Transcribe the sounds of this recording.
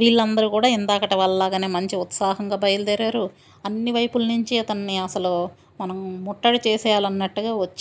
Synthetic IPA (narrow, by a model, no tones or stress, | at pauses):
ʋiːɭːɐnd̪ɐɾukuːɽaːind̪aːkɐʈɐʋɐllaːɡaːneːmɐɲt͡ʃiut̪saːɦɐŋɡaːbɐjɐlud̪eɾaːɾu | ɐnːiʋɐjpulnuɲt͡ʃiɐt̪ɐnːiɐsɐlu | mɐnɐmːɔʈːɐɽit͡ʃɛːsɛːjaːlɐnːɐʈːuɡaːʋɐt͡ʃː